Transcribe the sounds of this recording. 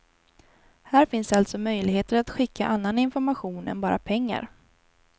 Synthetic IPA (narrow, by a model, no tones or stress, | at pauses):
hæːɾfɪnsd̪ɛalt̪sɔmœjlɪɡheːt̪əɾat̪ɧɪkʰːa̰ʔanːanɪnfɔɾmaɧuːnɛ̰nbɑːɾapʰɛŋːa̰ɾ